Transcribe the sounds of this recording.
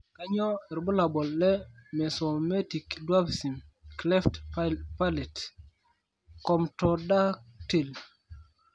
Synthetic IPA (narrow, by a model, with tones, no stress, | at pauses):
ka˦ɲɔ˦e˨ɾbu˦la˨bɔ˨lːɛ˦me˨so˨me˦ti˨kdwa˦bsi˨mkle˦ftppa˦le˨t | kɔ˨mtɔ˨da˦te˨l